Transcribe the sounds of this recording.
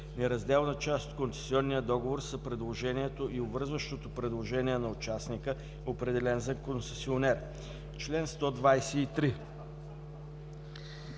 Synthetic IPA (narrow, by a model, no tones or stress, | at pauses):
nɛɾɐzd̪ɛlˠnət͡ʃast̪o̥t̪̚konsɛ̥siɔnːijəd̪ɔɡovoɾsəpɾɛd̪lˠoʒɛniɛt̪oʔiovəɾzvəʃt̪ot̪opɾɛd̪lˠoʒɛniɛnɐot͡ʃasnikə | opɾɛd̪ɛlɛnzɐkonsɛsionɛɾ | t͡ʃlɛnst̪ɔd̪vajsɛit̪ɾi